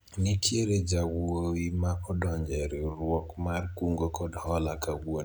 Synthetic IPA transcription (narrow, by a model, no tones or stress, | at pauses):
nikʰjeɾed͡ʒawowimakɔdɔɲd͡ʒɛɾɛɾwɔkmarkuŋɡokɔdɔhɔlakawon